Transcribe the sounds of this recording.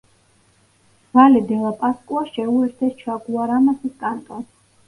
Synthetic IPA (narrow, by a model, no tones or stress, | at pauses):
valid̪ɛlˠapʼaskʼuaʃɛuɛɾt̪ʰɛst͡ʃʰaɡuaɾamasiskʼant̪ʼɔn